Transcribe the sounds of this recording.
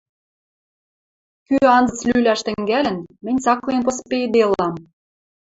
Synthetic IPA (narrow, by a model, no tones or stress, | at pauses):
kyɑnzɤ̆t͡slylʲæʃt̪ɘ̆ŋɡælʲɘ̆nmɘ̆nʲt͡sɑklienposped̪elɑm